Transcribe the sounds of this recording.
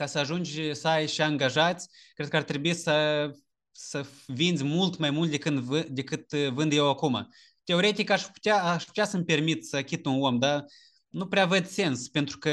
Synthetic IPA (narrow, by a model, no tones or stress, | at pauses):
kasəaʒund͡ʒʲsajʃiaŋɡaʒat̪sʲkɾed̪̚kəart̪ɾebuisə | səvind̪zʲmult̪majmult̪̚ʲd̪ekɨnɨd̪e̞kɨt̪vɨnd̪je̞wakuma̰ | t̪e̞o̞ɾe̞t̪ikaʃpu̥t̪ʲaːʃpu̥t̪easəmpe̞rmit̪səkʲit̪unomd̪a | nupɾeavəd̪se̞nspe̞nt̪ɾukə